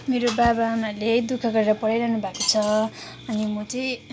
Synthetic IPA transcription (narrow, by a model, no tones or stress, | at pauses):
meɾobabamaled̪ukʰʌɡʌɾeɾʌpʌɽajɾʌɦnubʱakot͡sʰʌ | ʌnimʌt͡sʌj̃